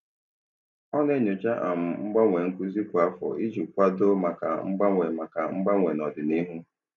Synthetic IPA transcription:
ɔ˦ne˦ɲʊ˨t͡ʃa˦ʔa̰˨m̩˨ŋ͡m̩˦ɡ͡ba˦ŋʷe˨ŋ̩˦ku˦zi˦kʷa˨fɔ̰˨i˦d͡ʒu˨kʷa˦do˦ma˨ka̰˨ŋ͡m̩˦ɡ͡ba˦ŋʷe˨ma˨ka˨ŋ͡m̩˦ɡ͡ba˦ŋʷe˨nɔ˨dɪ˨ni˦ɦu˦

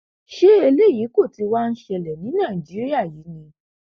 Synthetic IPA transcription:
ʃe˦e˧le˦˨ji˨˦ko˦˨ti˧wa˦n̩˦ʃɛ˧˨lɛ˨nĩ˨˦nãː˦˨ĩ˨d͡ʒi˨˦ɾi˦a˦˨jiː˨˦nĩ˧

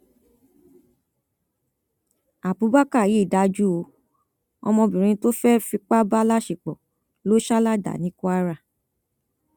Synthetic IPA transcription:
a˨bu˨˦ba˦ka˦˨ji˨˦i˦˨da˨˧d͡ʒu˦o˨˧˦ | ɔ̰˧mɔ̃˧bĩ˨ɾ̃ĩ˧˦to˦fɛ˦fi˧k͡pa˦ba˦la˦ʃi˨k͡pɔ˨ | lo˦ʃa˦la˦da̰˨nĩ˨˦kɔ˦a˦ɾa˧˨

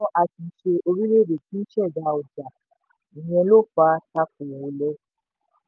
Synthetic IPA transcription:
ʔa˧ti˧˨˦ʃe˧ʔo˧ɾi˦le˦˨de˨tĩ˦ʃɛ˦˨da˨˧˦ɔ˨d͡ʒa˨ | ĩ˨j̃ɛ̃˧lo˦˨k͡pa˧ta˧˦k̚u˨wo˧˦lɛ˦

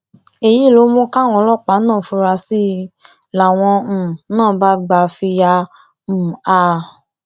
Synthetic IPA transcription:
e˨ji˨˦˨lo˧˦mõ˧˦ka˦˨w̃ɔ̃˧lɔ˦˨k͡pa˨˦nãː˦˨fu˧ɾa˧si˦ | la˨w̃ɔ̃˧m̩̃˨nãː˦˨ba˦ɡ͡ba˧fi˧jã˧˨ | a˧

